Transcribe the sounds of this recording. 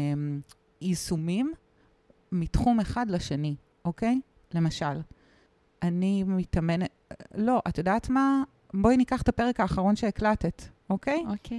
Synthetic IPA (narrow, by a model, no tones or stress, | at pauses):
m | isumimː | itχume̞χadlaʃeni | ʔokej | le̞mɐʃal | ʔanimitɐmene | lo̞ʔatjo̞daːtma | boinikaχtapeʁekaːχaʁo̞nʃeːklatetʔokejok